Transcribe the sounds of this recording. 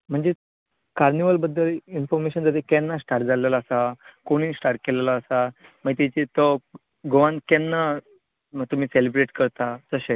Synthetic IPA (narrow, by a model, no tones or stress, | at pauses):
m̤əɳd͡ze | kaɾniʋəlbəd̪ʱːəlinfɔɾmeɕənd͡z̪əɾekɛnːasʈaɾʈ̚d͡zʱalelaəsakoɽ̃iːsʈaɾʈ̚kelelaːsa | m̤ət̪it͡ɕit̪ɔ | ɡoʋãnkɛnːa | t̪um̤iːselibɾeʈkəɾt̪ad͡zəɕe